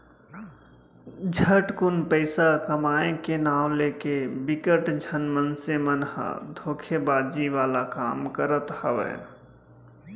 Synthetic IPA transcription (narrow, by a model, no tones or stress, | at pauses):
d͡ʒʱəʈkunpəɪsakəmaẽkenaw̃lekebikəʈd͡ʒʱənmənsemənɦə̰̃d̪ʱoːkʰebad͡ʒiʋalakaːmkəɾət̪həʋɛ̰